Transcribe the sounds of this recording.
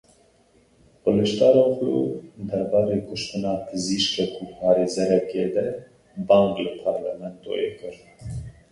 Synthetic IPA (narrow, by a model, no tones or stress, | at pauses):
pələʃt̪ɑːɾaxlṵd̪ɐɾbɑːɾeːkʰʊʃt̪ɨnɑːpʰɨziʃkɛkʰupɑːɾeːzɛɾɛked̪ɛ | bɑːŋklɨpʰɑɾlɛ̰mɛnt̪o̰ːʔekɨɾ